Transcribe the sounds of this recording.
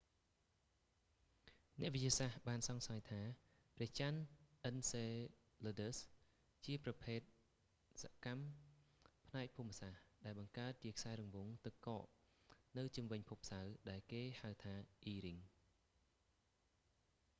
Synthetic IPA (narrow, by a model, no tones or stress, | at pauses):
nɛ̆əʔʋɨt͡ɕiəsahɓaːnsɑŋsajt̪ʰaː | prɛ̆əht͡ɕanʔənseː | loːɗəs | t͡ɕiəprɑpʰeːt̪̚ | sa̰ʔkam | pʰnaɛk̚pʰuːmːəsahɗaɛlɓɑŋkaət̪̚t͡ɕiəkʰsaɛɾuŋʋuŋt̪ɨkkɑːʔnɨwt͡ɕumʋɨɲpʰup̚sawɗaɛlkeːhawt̪ʰaːʔiːɾiŋ